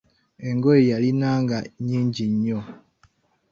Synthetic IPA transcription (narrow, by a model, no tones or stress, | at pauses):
eŋɡoijalinaːŋɡaɲiːɲɟiɲːo